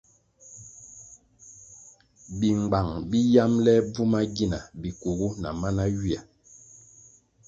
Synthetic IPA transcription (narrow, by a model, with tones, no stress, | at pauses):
bi˨ŋ͡mɡ͡ba˨ŋbi˦ja˦mlɛ˦b͡vu˦ma˦ɡi˦na˨bi˨ku˨ɡu˦na̰˨ma˦na˦ɥi˦a˨